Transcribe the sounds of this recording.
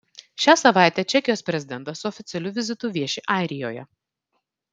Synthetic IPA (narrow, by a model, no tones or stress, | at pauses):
ʃʲæːsɐʋɑˑɪt̪ʲɛt͡ʃʲɛkʲɪjoːspʲɾʲɛzʲɪd̪ʲɛnt̪ɐsʊɔfʲɪt̪sʲɛlʲʊʋʲɪzʲɪt̪ʊˑʋʲiɛʃʲɪʔɑˑɪɾʲɪjo̰ːjɛ̰